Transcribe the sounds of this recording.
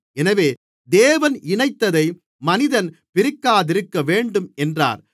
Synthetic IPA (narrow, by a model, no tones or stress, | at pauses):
ɛnɐʋeː | d̪eːʋɐnɪɳɐɪt̪ːɐðɐɪ | mɐnɪðɐnpɪɾɪkːaːðɪɾɯkːɐʋeːɳɖɯmɛndra̰ːɾ